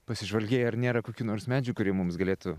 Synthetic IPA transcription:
pɐsʲɪʒʋɐlʲɡʲeːjɛɐɾnʲeːɾɐkoːkʲuːnoːɾsmʲæːd͡ʒʲɪɡukʊɾʲiɛmʊmsɡɐlʲeːt̪ʊ

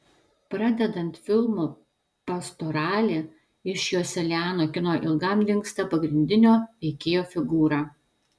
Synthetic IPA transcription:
pɾɐd̪ʲɛd̪ɐnt̪fʲɪlˠmuː | pɐst̪oɾɑːlʲeː | ɪʃjoːsʲɛlʲæːnoːkʲɪnoːʔɪlˠɡɐmlʲɪŋkst̪ɐpɐɡɾʲɪnʲd̪ʲɪnʲoːʋʲɛɪkʲeːjoːfʲɪɡuːɾɑː

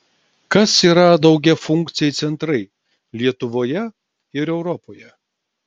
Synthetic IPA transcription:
kɐsiːɾɐd̪ɒʊɡʲɛfʊŋʲk̚t̪sʲɪjɛjt̪sʲɛnt̪ɾɐɪ | lʲiɛt̪ʊʋoːjɛ | ɪɾɛʊɾɔpoːjɛ

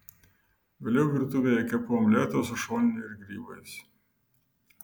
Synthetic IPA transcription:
ʋʲeːlʲɛʊʋʲɪɾt̪ʊʋʲejɛkʲɛpomlʲæːt̪oːsʊʃoːnʲnʲʊɪɾɡɾʲiːbɐɪs

